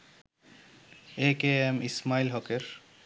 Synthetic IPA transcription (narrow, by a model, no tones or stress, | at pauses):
ekeemismailɦɔkeɾ